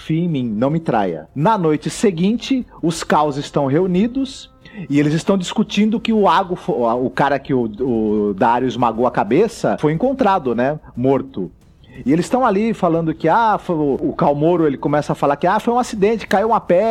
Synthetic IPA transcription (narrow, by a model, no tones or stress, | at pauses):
fimĩnɐ̃w̃mɪt̪ɾa̰jɐ̰nɐnojt͡ʃɪseɡĩnt͡ʃɪʊskawzɪst̪ɐ̃w̃ɦeunid̪ʊs | ɪelɪzɪst̪ɐ̃w̃d͡ʒiskut͡ʃĩnd̪ʊkɪʊaɡʊfoʊkaɾɐkɪʊʊd̪aaɾjʊɪzmaɡowɐkabesɐfojẽŋkõnt̪ɾad̪ʊnɛmoɾt̪ʊ | ɪelɪst̪ɐ̃w̃alifalɐ̃nd̪ʊkɪafoʊʊkawmoɾʊelɪkõmɛsɐafalaɾkɪafojũasid̪ẽnt͡ʃɪ̥kaiwũmapɛ